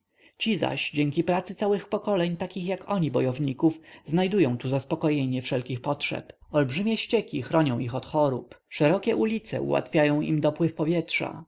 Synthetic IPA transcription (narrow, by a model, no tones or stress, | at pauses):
t͡ɕiza̰ɕd͡ʑɛŋkʲipɾat̪sɘt̪sawɘxpɔkɔlɛɲt̪akʲixjakʰɔɲibɔjɔvɲikufznajd̪ujɔ̃w̃t̪uzaspɔkɔjɛɲɛfʂɛlkʲixpɔtʂɛ̰p | ɔlbʐɘmʲjɛɕt͡ɕɛkʲixɾɔɲɔ̃w̃ixɔt̪xɔɾup | ʂɛɾɔkʲɛʔulʲit̪sɛ̰ṵwa̰t̪fʲjajɔ̃w̃ḭmd̪ɔpwɘfpɔvʲjɛtʂa̰